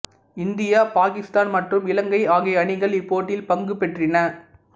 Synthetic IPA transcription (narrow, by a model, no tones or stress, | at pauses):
ɪnd̪ɪjaːpaːkɪst̪aːnmɐʈrɯmɪlɐŋɡɐɪaːɣɪɐɳɪɣɐɭɪpːoːʈːɪlpɐŋɡɯpɛʈrɪnɐ